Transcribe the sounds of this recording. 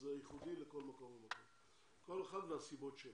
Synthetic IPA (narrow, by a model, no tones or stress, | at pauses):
zeajiχud̪ileko̞lmako̞mbemakom | ko̞leχad̪veasibo̞tʃe